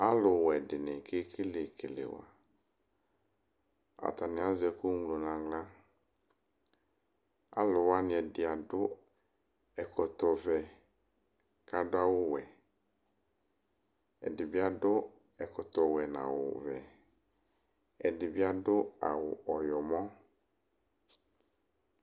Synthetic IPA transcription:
a˦lʊ˨wɛ˨dɪ˨nɪ˨kʰe˦kʰɪ˦lɪ˨kʰɪ˨lɪ̰˨wa̰˨ | a̰˨t̪a˨nɪ̃˨˦a˦zɛ˨kʊ˦ŋlo˨nã˨ŋla˦ | a̰˦lʊ˨wa˦nɪ˨ɛ˨dɪ˨a˨dʊ˦ | ɛ˨kʰɔ˨t̪ɔ˨vɛ˨ | ka˨dʊ˦a˦wʊ˦wɛ˨ | ɛ̰˨dɪ˨bɪ˦a˦dʊ˦ | ɛ˨kɔ˨t̪ɔ˨wɛ˨nã̰˨wʊ̰˨vɛ˨ | ɛ˨dɪ˨bɪ˦a˦dʊ˦a̰˨wʊ˨ʔɔ˨jɔ˨mɔ̃˦

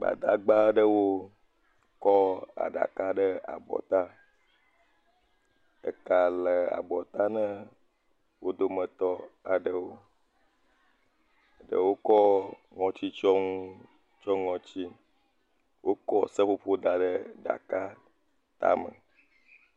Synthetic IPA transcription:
ɡ͡ba̰˨d̪a̰˨ɡ͡ba˦ɖə˦wo˦ | kɔ˦a̰˨ɖa̰˨ka˦ɖə˦a̰˨bɔ̰˨t̪a˦ | ə̰˨ka˨lə˨a̰˨bɔ˨t̪a˦nə̃˦ | wo˦d̪o˦mə̃˨t̪ɔ˦a˨ɖə˨wo˦˨ | ɖə̰˨wo˦kɔ˦ | ŋɔ̃˨t͡ɕi˦t͡ʃɔ˦ŋũ˦ | t͡ʃɔ˦ŋɔ̃˨t͡ɕi˦ | wʔo˦kɔ˦sə˦ɸo˦ɸo˦d̪a˨ɖə˦ɖa̰˨ka˦ | t̪a̰˦mə̰˨

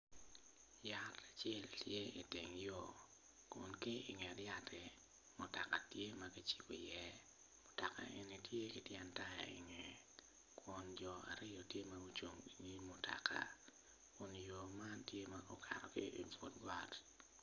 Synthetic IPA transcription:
ja˦ta˨t͡ʃɛ˦ltjɛ˦ḭ˨tɪ˨ŋjo˨ | kʊ˨nkɪ˦i˨ŋɛ˨dja˦tʰɛ˨ | mʊ˨ta˨ka˨tje˦ma˦ɡi˦t͡ʃi̥˦ko˨jɛ˦ | mʊ˨ta˨ka̰˨ʔe˨ni˨tje˦ki˦tjɛ˨nta˦ja̰˨ɪ̰˨ŋɛ˨ | kwʊ˨nd͡ʒɔ˨a̰˨ɾɪ˦jɔ˨tje˦ma˦ɡu˦t͡ʃo˨ŋi˨ŋi˦mʊ˨ta̰˨ka̰˨ | kʊ˨njo˨ma˦ntje˦maɔ˦kʰa̰˨ɾɔ˨kɪ̰˦ʔi˨fo˨dɡwa˦t

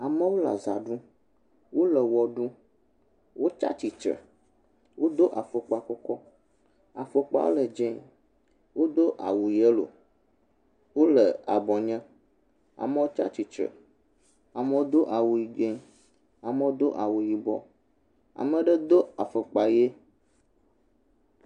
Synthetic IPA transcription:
a˨mə̃˦wo˦la̰˨za˨ɖu˦ | wo˦lə˨wɔ˨ɖũ˦ | wʔo˦t͡ʃa̰˦t͡ʃi˨t͡ʃɾə̰˨ | wʔo˦d̪o˦ʔa˨fə˨k͡pa˨kɔ˦kɔ˦ | a˨fə˨k͡pa̰˦wo̰˦lə˨d͡ʒẽ˦ | wo˦d̪o˦ʔa̰˨wu˨ji˨e˦lo̰˨ | wo˦lə˨a˨bɔ˨ɲɛ̃˦ | a̰˨mə̃˦wo˦t͡ʃa̰˦t͡ɕi˨t͡ʃɾə̰˨ | a˨mə˦wo˦d̪o˦ʔa˨wu˨ji˨d͡ʒẽ˦ | a˨mə˦wo˦d̪o˦ʔa˨wu˨ji˨bɔ̰˨ | a̰˨mə̃˨ɖə˦d̪o˦a˨fə˨k͡pa˨je˦

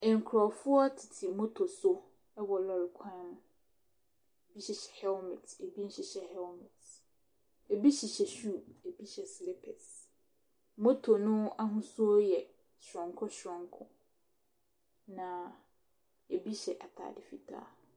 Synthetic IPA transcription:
ɪ̃˨ŋ̩˨kʰɾɔ˨fʊ˦ɔ˦tʰɪ˨tʰi˨mo˦tʰo˨sʊ˦ | ɛ˦wɔ˨lɔ˨lɪ˨kʷʰã˦ñ˦ | e˨bi˦ɕi˨ɕɛ̥˨hɛ˦lmɛ̃˨te˨bi˦n̩˦ɕi˨ɕɛ˨hɛ˦lmɛ˨t | e˨bi˦ɕi˨ɕɛ˨ɕuː˦˨e˨bi˦ɕɛ˨slɛ˦pʰɛ˨s | mo˦tʰo˨nʊ̃˦a˦ɦʊ̃˦su˦ɔ˦jɛ˨ | ɕɔ̃˨ŋkʰɔ˦ɕɔ̃˨ŋkʰʊ̃˦ | nã˨ | e˨bi˦ɕɛ˨ʔa˨tʰa̰ː˨dɪ˨fi˨tʰa̰ː˦

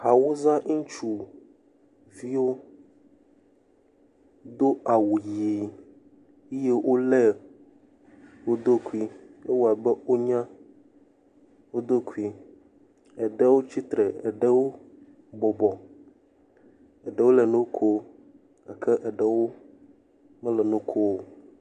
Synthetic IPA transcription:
ha˨wo˦zã˦ŋ̩˦t͡ʃu˨ | vi˦wo˦ | d̪o˦a˨wu˨ji˨ | e˦je˦wʔo˦lɛ˦ | wo˦d̪o˦ku˦˨i˦e˦wo˦˨a˨bɛ˦wo˦ɲã˦ | wo˦d̪o˦ku˦i˦ | ɛ˨ɖə˦wo˦t͡ɕi˦t̪ɾɛ˨e˨ɖɛ˦wo˦ | bɔ˨bɔ˨ | ɛ˨ɖɛ˨˦wo˦lɛ˨nũ˦kʰo˦ | a˨kʰɛ˦ʔɛ˨ɖə˨wo˦ | mɛ˦lɛ˨nũ˦kʰo˦o˦

